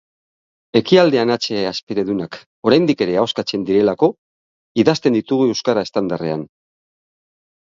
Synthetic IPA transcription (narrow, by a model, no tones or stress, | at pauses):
e̞kiald̪e̞anat͡se̞aspeɾe̞ðunak | o̞ɾajnd̪ike̞ɾe̞aowskat͡se̞nd̪iɾe̞lako̞ | iðast̪e̞nd̪it̪uɣ̞ue̞wskaɾae̞st̪and̪are̞̰a̰n